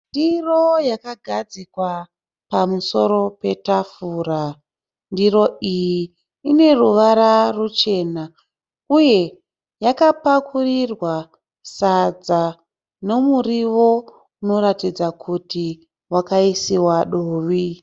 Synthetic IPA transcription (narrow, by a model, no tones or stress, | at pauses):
ndirojakaɡʱad͡zikwa | pamuso̞ɾo̞pe̞tafuːra | ndiɾo̞ijiː | ne̞ruʋaɾarut͡ʃe̞ːna | uje̞ | jakapakurirwa | sad͡za | no̞muriʋo̞ | uno̞ɾatid͡zakʰuti | wakaisiwaɗoːʋi